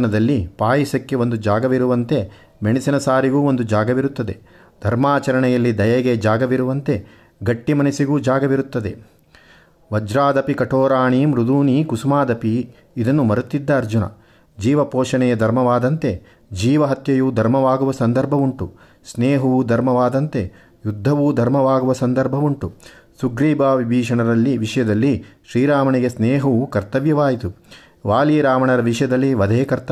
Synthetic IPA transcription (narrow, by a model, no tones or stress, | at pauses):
nɐd̪ɐlːipaːjisɐkːeond̪ud͡ʒaːɡɐʋiɾuʋɐnt̪e̞ | meɳisinɐsaːɾiɡuːo̞nd̪ud͡ʒaːɡɐʋiɾut̪ːɐd̪e | d̪ʱɐɾmaːt͡ʃɐɾɐɳɛjɐlːid̪ɐjɐɡed͡ʒaːɡɐʋiɾuʋɐnt̪e̞ | ɡɐʈːimɐnisiɡuːd͡ʒaːɡɐʋiɾut̪ːɐd̪e̞ | ʋɐd͡ʒɾaːd̪ɐpikɐʈoːɾaːɳiːmɾud̪uːniːkusumaːd̪ɐpiː | d̪ɐnːumɐɾut̪ːid̪ːɐːɾd͡ʒunɐ̰ | d͡ʒiːʋɐpoːʂɐɳɛjɐd̪ʱɐɾmɐʋaːd̪ɐnt̪e̞ | d͡ʒiːʋɐɦɐt̪jɐjuːd̪ʱɐɾmɐʋaːɡuʋɐsɐnd̪ɐɾbʱɐʋuɳʈu | sneːɦɐʋud̪ʱɐɾmɐʋaːd̪ɐnt̪e̞ | jud̪ʱːɐʋuːd̪ʱɐɾmɐʋaːɡuʋɐsɐnd̪ɐɾbʱɐʋuɳʈusuɡɾiːbʱaːʋibʱiːʂɐɳɐɾɐlːiʋiʂɐjɐd̪ɐlːiʃɾiːɾaːmɐɳeɡesnɛːɦɐukɐɾt̪ɐʋjɐʋaːjit̪u | ʋaːliːɾaːmɐɳɐɾɐʋiʂɐjɐd̪ɐlːiʋɐd̪ʱeːkɐɾt̪ɐ